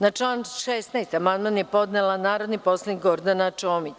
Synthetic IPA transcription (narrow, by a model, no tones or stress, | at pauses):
nat͡ʂlˠaːnʂesnaest̪amand̪manjepo̞d̪nelanaːɾo̞d̪nipo̞slˠanik̚ɡo̞ɾd̪anat͡ʃomit͡s